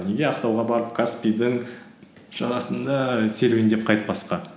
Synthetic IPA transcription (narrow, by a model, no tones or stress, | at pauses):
neɡʲeɑqt̪ɑwʁɑbɑɾəp̚kʰaspʲid̪əɴ | ʒ̥ɑɾɑsənd̪ɑse̞lwɪnd̪ep̚qʰɑjt̪̚pɑsqɑ